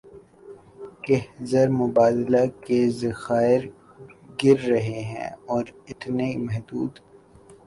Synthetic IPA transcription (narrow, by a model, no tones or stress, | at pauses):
kɛɦzəɾmʊbaːd̪lakezɐxaːɪɾ | ɡɪɾːɐɦeɦɛ̰̃ɔːɾɪt̪nemɛɦd̪uːd̪